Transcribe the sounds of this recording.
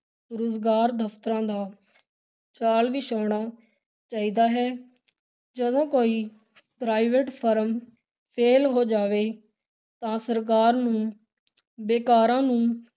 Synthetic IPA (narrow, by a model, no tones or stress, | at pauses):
ɾʊːzɡaːɾd̪əpʰt̪ɾãːd̪aː | t͡ʃaːlʋiːʃaːɳaː | t͡ʃaːiːd̪aːɦɛː | d͡ʒəd̪õːkoːiː | pɾaːɪʋeːʈpʰəɾəm | pʰeːlɦoːd͡ʒaːʋeː | t̪ãːsəɾk̬aːɾnũː | beːkaːɾãːnũː